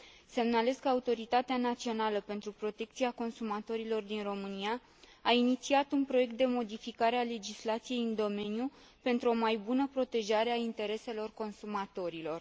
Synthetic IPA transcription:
se̞mnale̞skəaut̪o̞ɾit̪at̪eanat̪sio̞naləpe̞nt̪ɾupɾo̞t̪e̞kt̪siako̞nsumat̪o̞ɾilo̞rd̪inro̞mɨniaː | init̪siat̪unpɾo̞je̞k̚t̪̚d̪e̞mo̞d̪ifikaɾeale̞d͡ʒislat̪sije̞jɨnd̪o̞me̞nju | pe̞nt̪ɾuo̞majbunəpɾo̞t̪e̞ʒaɾeaint̪e̞ɾe̞se̞lo̞rko̞nsumat̪o̞ɾilo̞r

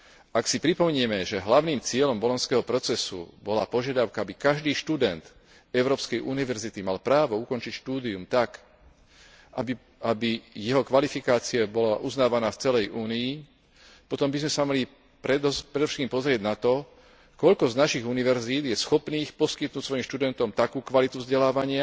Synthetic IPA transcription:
ʔaksipɾipɔmɛɲɪɛmɛʒɛɦlaʊniːmt͡sɪɛʎɔmbɔlɔnskɛːɦɔpɾɔt͡sɛsṵbɔla̰ːpɔʒɪad̪aʊkaabikaʒd̪iːʃt̪ud̪ɛnt̪ | ɛʊɾɔːpskɛjʔuniʋɛɾzit̪imalpɾaːʋɔukɔnt͡ʃicʃt̪uːd̪iumt̪ak | abijɛɦɔkʋalifikaːt͡siabɔlaʔuznaːʋanaːft͡sɛlɛjʔuːnii | pɔt̪ɔmbizmɛsamaɦli | pɾɛd̪pɾɛd̪ɔfʃɛt̪kimpɔzɾɪɛɟnat̪ɔ | kɔʎkɔznaʃiɣuniʋɛɾziːd̪jɛsxɔpniːxpɔskit̪̚nuːcsʋɔjimʃt̪ud̪ɛnt̪ɔmt̪akuːkʋalit̪uvzɟɛlaːʋaɲɪa

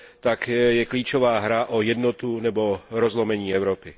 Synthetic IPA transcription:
t̪akjɛkliːt͡ʃovaːɦɾaʔojɛd̪not̪unɛboɾozlomɛɲiːɛwɾopɪ

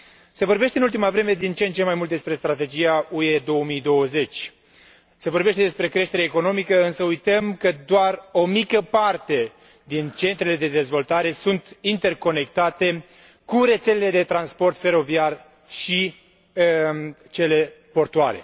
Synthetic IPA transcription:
se̞vo̞rbeʃt̪eɨnult̪imavɾe̞me̞d̪int͡ʃent͡ʃe̞majmult̪d̪espɾe̞st̪ɾat̪e̞d͡ʒijaue̞d̪o̞wəmijd̪o̞wəze̞t͡ʃʲ | se̞vo̞rbe̞ʃt̪ed̪e̞spɾe̞kɾe̞ʃt̪eɾeːko̞no̞mikəɨnsəujt̪əmkəd̪oaro̞mikəpart̪e̞ | d̪int͡ʃe̞nt̪ɾele̞d̪e̞d̪e̞zvo̞lt̪aɾe̞sunt̪int̪e̞rko̞ne̞k̚t̪at̪e̞ | kuɾe̞t̪se̞leled̪e̞t̪ɾanspo̞rt̪fe̞ɾo̞viar | ʃi | t͡ʃe̞le̞ | po̞rt̪uaɾe̞̰

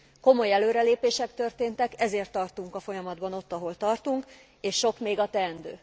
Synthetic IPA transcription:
ko̞mo̞jɛløːɾɛleːpeːʃɛkt̪ø̞rt̪eːnt̪ɛkɛzeːrt̪ːɒrt̪uŋkɒfo̞jɒmɒd̪bɒno̞t̪ːɒɦo̞lt̪ɒrt̪uŋk | eːʃːo̞kmeːɡɒt̪ɛɛnd̪øː

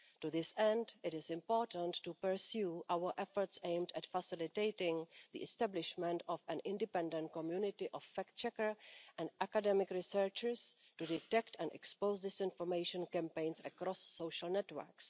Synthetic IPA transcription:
tuðɪsɛ̃ndɪtɪsɪ̃mpoːɹtə̃ntːupəɹsjuʔawə˞ʔɛfɔɹtsẽjmdɛtfasɪlɪteɪtɪ̃ŋðḭʔɛstablɪʃmɛ̃ntɔfɛ̃nʔɪ̃ndɪpɛ̃ndə̃nt̚komjunɪtɪʔɔfːɛkt͡ʃɛkəɹʔɛ̃ndʔakadɛmɪkɹɪsəɹt͡ʃəɹstudɪtɛktɛ̃nɛ̰kspowzdɪsɪ̃nfoɹmejʃə̃nkɛ̃mpẽj̃nsɛkɾɔsːowʃəlnɛtwə̰ɹks

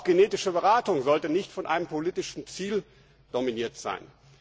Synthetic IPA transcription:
xɡ̥eneːtɪʃəbəʁaːtʊŋzɔltənɪçtfɔnʔa̰ɪnəmpʰoliːtɪʃn̩t͡siːl | d̥ominiːɐtz̥a̰ɪn

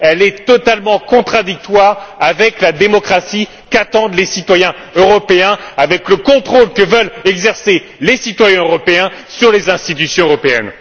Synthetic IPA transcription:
ɛlɛt̪ɔt̪almɑ̃kɔ̃t̪χad̪ik̚t̪waːʁavɛklad̪emɔkχasi | kat̪ɑ̃d̪lesit̪wajɛ̃ | øʁɔpeɛ̃avɛkləkɔ̃t̪χolkəvœlɛɡzɛʁse | lesit̪wajɛ̃øʁɔpeɛ̃syʁlezɛ̃st̪it̪ysjɔ̃øʁɔpeɛ̰n

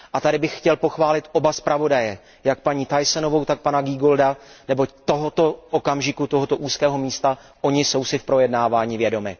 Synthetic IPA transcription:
ʔat̪adɪbɪxxcɛlpo̞xvaːlɪt̪ʔo̞baspɾavo̞dajɛ | jak̚paɲiːt̪ajsɛno̞vo̞wt̪ak̚panaɡiːɡo̞ldanɛbo̞t̪o̞ɦo̞t̪o̞ʔokamʒɪkut̪o̞ɦot̪o̞ʔuːskɛːɦo̞miːst̪a | ʔo̞ɲɪso̞wsɪfpɾo̞jɛdnaːvaːɲivjɛdo̞mɪ

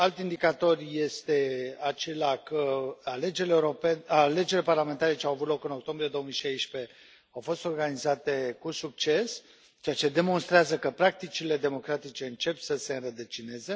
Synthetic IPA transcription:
alt̪ind̪ikat̪o̞rʲje̞st̪e̞at͡ʃe̞lakəaled͡ʒeleːuɾopenale̞d͡ʒeɾileparlament̪aɾe̞t͡ʃeawavut̪lo̞kɨno̞k̚t̪o̞mbɾije̞d̪oomijʃajʃpe̞ | awfo̞st̪o̞rɡanizat̪e̞kusuk̚t͡ʃe̞s | t͡ʃeat͡ʃe̞d̪e̞mo̞nst̪ɾeazəkəpɾak̚t̪it͡ʃile̞d̪e̞mo̞kɾat̪it͡ʃe̞ɨnt͡ʃe̞psəse̞ɨnɾəd̪ət͡ʃine̞ze̞

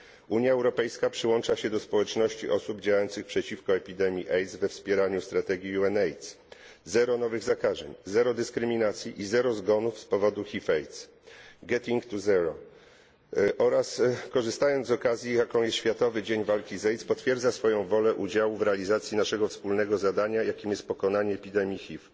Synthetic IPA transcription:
uɲjaɛwɾɔpɛjskapʂɘwɔnt͡ʂaɕɛd̪ɔspɔwɛt͡ʂnɔɕt͡ɕiʔɔsubd͡ʑawajɔnt̪sɘxpʂɛt͡ɕifkɔɛpʲid̪ɛmʲjiʔɛjt̪svɛfspʲjɛɾaɲust̪ɾat̪ɛɡʲiuɛnɛjt̪s | zɛɾɔnɔvɘɣzakaʐɛ̰ɲzɛɾɔd̪ɘskɾɘmʲinat̪sʲjiʔizɛɾɔzɡɔnufspɔvɔd̪uxʲifɛjt̪s | ɡɛt̪iŋkt̪uzɛɾɔ | ʔɔɾaskɔʐɘst̪ajɔnd̪zɔkazʲjijakɔ̃w̃jɛsɕfʲjat̪ɔvɘd͡ʑeɲvalkʲizɛjt̪spɔt̪fʲjɛɾd̪zasfɔjɔ̃w̃vɔlɛʔud͡ʑawuvɾɛalʲizat̪sʲjinaʂɛɡɔfspulnɛɡɔzad̪aɲajakʲimjɛst̪̚pɔkɔnaɲɛːpʲid̪ɛmʲjixʲif

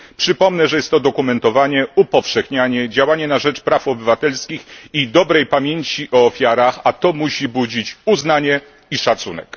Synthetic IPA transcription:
pʂɘpɔmnɛʐɛjɛst̪ːɔd̪ɔkumɛnt̪ɔvaɲɛupɔfʂɛxɲaɲɛd͡ʑawaɲɛnaʐɛt͡ʂpɾafɔbɘvat̪ɛlskʲixid̪ɔbɾɛjpamʲjeɲt͡ɕiʔɔːfʲjaɾaxat̪ɔmuɕibud͡ʑit͡ɕuznaɲɛ | iʂat̪sunɛ̰k

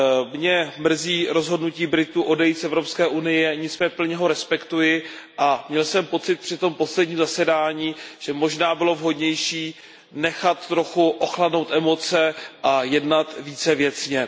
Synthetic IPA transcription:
mɲɛmr̩ziːɾo̞zɦodnuciːbɾɪt̪uʔo̞dɛjisʔɛvɾo̞pskɛːʔunɪjɛɲɪt͡smɛpl̩ɲɛɦo̞ɾɛspɛkt̪ujɪ | ʔamɲɛlsɛmpo̞t͡sɪt̪̚pr̥ɪt̪o̞mpo̞slɛdɲiːmzasɛdaːɲiːʒ̥ɛmo̞ʒnaːbɪlo̞vɦo̞dɲɛjʃiː | nɛxat̪ːɾo̞xuʔoxladno̞wt̪ʔɛmo̞t͡sɛʔajɛdnat̪viːt͡sɛvjɛt͡sɲɛ

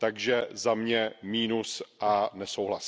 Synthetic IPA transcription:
t̪aɡʒɛzamɲɛmiːnusʔanɛsowɦlas

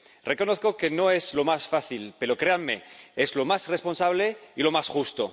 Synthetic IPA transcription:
re̞ko̞no̞θko̞ke̞no̞e̞zlo̞masfaθilpe̞ɾokɾeanme̞̰ezlo̞masre̞spo̞nsaβ̞le̞ilo̞masxust̪o

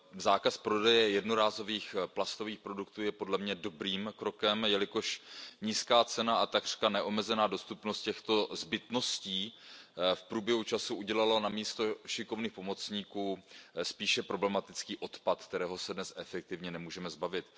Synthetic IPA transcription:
zaːkaspɾo̞dɛjɛjɛdno̞ɾaːzo̞viːxplast̪oviːxpɾo̞dukt̪uːjɛpodlɛmɲɛdo̞bɾiːmkɾo̞kɛmjɛlɪko̞ʃɲiːskaːt͡sɛnaat̪aɡr̥kanɛʔo̞mɛzɛnaːdo̞st̪upno̞st̪̚cɛxt̪o̞zbɪt̪no̞sciː | fpɾuːbjɛɦut͡ʃasuʔuɟɛlalonamiːst̪o̞ʃɪko̞vniːxpo̞mo̞t͡sɲiːkuːspiːʃɛpɾo̞blɛmat̪ɪt͡skiːʔo̞t̪pat̪kt̪ɛɾɛːɦo̞sɛdnɛsʔɛfɛk̚t̪ɪvɲɛnɛmuːʒɛmɛzbavɪt̪

